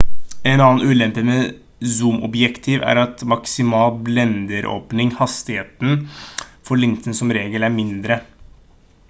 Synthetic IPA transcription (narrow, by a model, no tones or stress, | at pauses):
ɛnɑːnt̪ʉːlɛmpəmɛ | zuːmɔ̰bjɛkt̪ʰiːʋæ̰ɾɑt̪mɑksɪmɑːlblɛnd̪əɾʔo̰ːpnɪŋhɑst̪ɪheːt̪n̩fɔɭɪnt̪ʰənsɔmɾeːɡəlæɾmɪnd̪ɾə